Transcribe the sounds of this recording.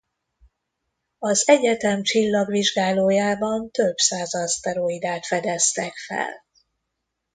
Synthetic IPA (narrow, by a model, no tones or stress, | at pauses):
ɒzɛɟɛt̪ɛmt͡ʃilːɒɡviʒɡaːloːjaːbɒnt̪øbsaːzɒst̪ɛɾoid̪aːt̪fɛd̪ɛst̪ɛkfɛ̰l